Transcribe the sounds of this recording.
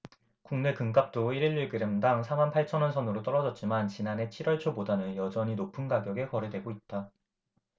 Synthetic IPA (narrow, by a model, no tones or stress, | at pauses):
kuŋne̞kɯŋk͈ap̚t͈oiɾiɭːiɭɡɯɾemdaŋsʰamanpʰaɭt͡ɕʰʌnʌnsʰʌnɯɾot͈ʌɾʌd͡ʑʌt̚t͡ɕ͈imant͡ɕinane̞t͡ɕʰiɾwʌɭt͡ɕʰobodanɯnjʌd͡ʑʌɲinopʰɯnɡaɡjʌɡe̞kʌɾedwe̞ɡoit̚t͈a